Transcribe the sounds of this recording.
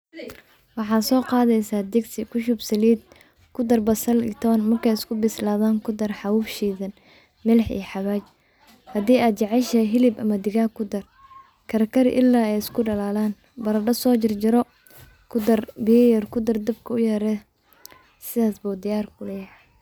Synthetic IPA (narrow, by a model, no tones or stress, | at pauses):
wɑħɑːsɔːqɑːðɛjsaːd̪ɛɡsɪkʰʊʃʊbsɐliːd̪̚ | kʰʊd̪ɐrbɐsɐlɪ̰t̪ʰɔːnmɐrkʰɛjɪskʰʊbɪslaːðaːŋkʰʊd̪ɐrħɑwuːfʃiːðɐn | mɪlɛħḭːħɑβaːt͡ʃ | hɐd̪iːaːd̪̚t͡ʃɑʕɛʃɐɦɪlɪbɐmɐd̪ɪɣaːkʰʊd̪ɐr | kʰɐɾkʰɐɾɪ̰ʔɪlːaːɛjɪskʰʊɖɐlaːlaːn | bɐɾɐɖɐsɔːt͡ʃɪrd͡ʒɪɾɔ | kʰʊd̪ɐrbɪjɛjɐrkʰʊd̪ɐrd̪ɐb̚kʰɐʊjɛɾɛː | sɪðaːsbud̪ɪjaːrkʰʊlɛjɐ